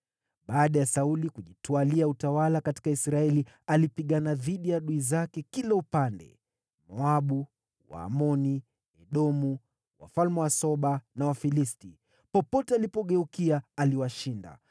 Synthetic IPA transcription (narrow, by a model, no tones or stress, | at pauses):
ɓaːɗajasaulikuʄitwaliautawalakati̥kaisɾaɛlialipiɠanaðiɗijaɗuizakɛkilɛupandɛ̰ | mɔaɓu | wa̰ːmɔni | ɛɗɔmu | wa̰falmɛwasɔɓanawafilisti | pɔpɔtɛalipɔɠɛukiaːliwaʃinda̰